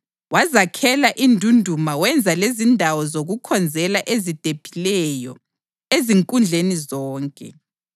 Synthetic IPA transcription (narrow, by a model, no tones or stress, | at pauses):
wazakʰɛlaʔindʱundʱumawɛnd͡zʱalezindʱawɔzoɣukʰɔnd͡zʱɛlaʔezid̥ʱeb̥ʱilɛjɔ | eziŋkʼund͡ɮʱenizɔːŋkʼɛ̰